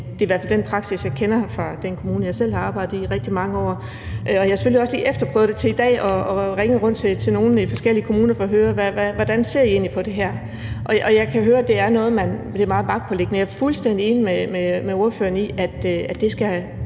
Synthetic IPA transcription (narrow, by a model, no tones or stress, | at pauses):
d̥e̝iʋæɐ̰fæld̥enpʰʁɑ̈ɡ̥sisjɑ̈ɪkʰenɐfʁɑ̈d̥enkʰo̝muːnəjɑ̈ɪsel̰hɑ̈ɑ̈ːbɑ̈ɪd̥̩ˠiʁɛɡ̥̚d̥imɑ̈ŋəɒ̰ː | ʔɒ̽jɑhɑse̥føliɒ̽sliːʔefd̥ɐpʰʁœːʊd̥e̝t͡sʰe̝id̥ɛ̰ːɒ̽ɒʁeŋəʁɔ̽n̰d̥t͡sʰe̝t͡sʰe̝no̝ːn̩ifɒ̽sɡ̥el̰iəkʰomuːnɐfɒ̽ɒɦøːɐʋæʋæʋɒd̥ænse̝ɐ̰ie̝ːnlipʰɒ̽d̥e̝ɦæɐ̰ | ʔɒ̽ʔɒ̽jɑ̈ɪkʰæɦøːɐd̥e̝æɐnɔ̽ːð̞̩ˠmænd̥e̝mɑ̈ːðˠbɑ̈ɡ̥̚pʰɒ̽le̝ɡ̥nəjɑɐfulsd̥en̰d̥ie̝ːnimememeo̝ɐfø̰ːɐniʔæd̥æ̥d̥e̝sɡ̥æ